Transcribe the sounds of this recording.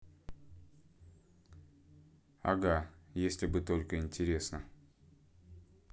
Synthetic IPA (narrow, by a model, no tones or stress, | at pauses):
ɐ̰ɡajesʲlʲɪbɨt̪o̞lʲkəɪnʲtʲɪɾʲe̞snə